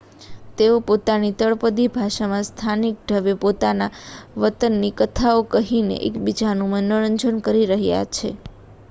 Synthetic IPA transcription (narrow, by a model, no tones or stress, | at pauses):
t̪eopot̪anit̪əɭpəd̪ibʱaʃamãst̪ʰanik̚ɖʱəʋepot̪anaʋət̪ənːikət̪ʰaokəɦinḛʔḛkbid͡ʒanũmənəɾəɲd͡ʒənkəɾiɾəɦja̰t͡ʃʰḛ